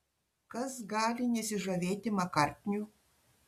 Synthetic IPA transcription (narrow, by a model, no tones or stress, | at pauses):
kɐsɡɑːlʲɪnʲɛsʲɪʒɐʋʲeːt̪ʲɪmɐkɑrʲt̪ʲnʲu